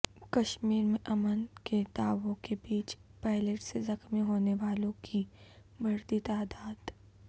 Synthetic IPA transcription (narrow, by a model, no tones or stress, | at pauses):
kɐʃmiːɾmẽʔɐmənked̪aːʋõkebiːt͡ʃpaːɪleʈsezɐxmiɦoːneʋaːlõkʰi | bɐɾt̪it̪aːd̪aːd̪̥